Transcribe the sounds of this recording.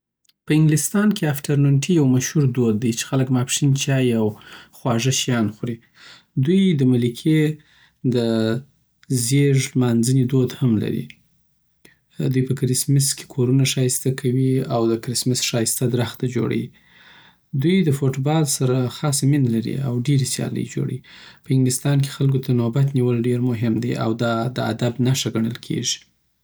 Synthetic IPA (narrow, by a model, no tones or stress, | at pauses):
pəɪŋɡlɪst̪ɑnkeafʈaɾnoʈʰijawmaʃhuɾd̪od̪̚ːajt͡ʃe̥xaləkmapʂint͡ʃɑjawxwɑʐəʃjɑnxɾi | d̪ujd̪əmalikʰe | d̪ə | zeʒmanzənid̪od̪hamla̰ɾḭ | d̪ujpəkɾɪsmɪske̥kʰoɾunaʃɑjɪst̪akʰawiawd̪əkɾɪsmɪsʃɑjɪst̪ad̪ɾaxt̪ad͡ʒo̰ɽa̰wi | d̪ujd̪əfoʈbɑlsaɾaxɑsmɪnlaɾḭawɖeɾisjɑ̰lə̰jd͡ʒo̰ɽa̰ipəhɪŋɡlɪst̪ɑnk̬e̥xalkot̪ʰanobat̪niwəlɖeɾmʊɦɪmd̪ḛa̰wd̪ɑd̪əa̰d̪abnaʃaɡaɳ̃əlkʰḛʒi̥